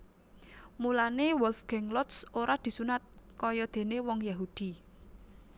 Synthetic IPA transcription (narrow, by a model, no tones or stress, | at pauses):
mulanewɔlfɡ̥ɛŋlɔt̪soɾad̪̥i̤sunat̪̚kɔjɔd̪̥e̤newɔŋjaɦud̪̥i̤